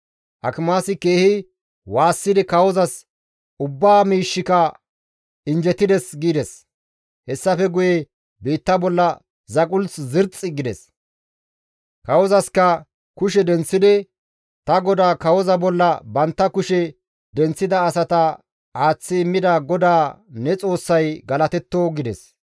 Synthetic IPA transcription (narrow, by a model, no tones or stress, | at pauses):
hɐkɪmaːsɪke̞ːhɪ | waːsːɪd̪ɪkɐwɔzɐs | ʊbːaːmiːʃːɪkɐ | ɪnd͡ʒɛt̪ːɪd̪ɛsɡiːd̪ɛs | hɛsːɐfɛɡʊjɛ | biːt̪ːɐbɔlːɐ | zɐkʼʊlszɪɾt͡sʼɪɡɪd̪ɛ̰s | kɐwɔzɐskɐ | kʊʃ̬ɛd̪ɛnt͡sːɪd̪ɛ | t̪ɐɡɔd̪aːkɐwɔzɐbɔlːɐbɐnt̪ːɐkʊʃɛ | d̪ɛnt͡sːɪd̪ɐːsɐt̪ɐ | aːt͡sːɪɪmːɪd̪aːɡɔd̪aːnɛt͡sʼo̞ːsːɐjɡɐlɐt̪ɛt̪ːoɡɪd̪ɛ̰s